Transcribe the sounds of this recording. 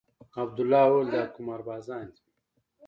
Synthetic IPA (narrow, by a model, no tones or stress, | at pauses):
ɐb̚d̪ulːaːwoːld̪aːkumaɾbaːzaːnd̪i